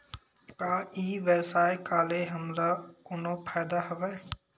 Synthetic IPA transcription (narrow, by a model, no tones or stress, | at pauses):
kaːiːʋebsaːekaːleɦɐmlakʊnopʰaːd̪aɦɐʋɛː